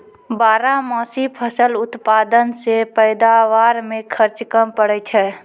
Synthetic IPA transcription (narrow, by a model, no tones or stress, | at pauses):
baːɾamɔːsipʰəsəlʊt̪paːd̪ənsepɛɪd̪aʋaːɾmẽkʰəɾt͡ʃkəmpəɽət͡ʃʰɛː